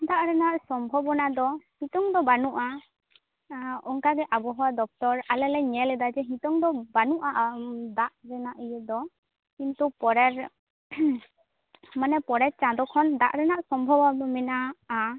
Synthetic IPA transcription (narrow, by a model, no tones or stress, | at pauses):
d̪aʔɾɛnaʔsɔmbʱɔbɔnad̪ɔhĩt̪ɔŋd̪ɔbanuʔa | ɔŋkaɡɛʔabɔɦɔwad̪ɔk̚t̪ɔɾalɛlɛɲɛlɛd̪ad͡ʒɛɦĩt̪ɔŋd̪ɔbanuʔaʔd̪aʔɾɛnaʔijɛd̪ɔ | kint̪upɔɾɛɾ | manɛpɔɾɛt̚t͡ʃãd̪ɔkʰɔnd̪a̰ʔɾɛnaʔsɔmbʱɔbɔɔmɛnaː